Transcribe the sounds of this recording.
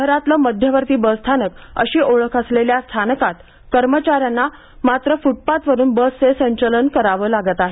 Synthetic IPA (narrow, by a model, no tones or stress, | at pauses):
əɦɾat̪ləməd̪ʱjəʋəɾt̪iːbəst̪ʰanəkə̰ɕiːʔoɭəkʰəsleljast̪ʰankat̪ | kəɾmət͡ɕaɾjanːa | mat̪ɾəfuʈ̚pat̪ʋəɾuːnbəsːesəɲt͡ɕələnkəɾaʋəːlaɡət̪aɦe